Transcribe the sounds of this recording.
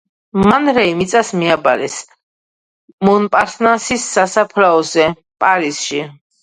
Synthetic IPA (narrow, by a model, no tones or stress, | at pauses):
manɾɛimit̪sʼasmiaba̰ɾɛs | mɔnpʼaɾt̪ʰnasisːasapʰɾaɔzɛ | pʼaɾisʃi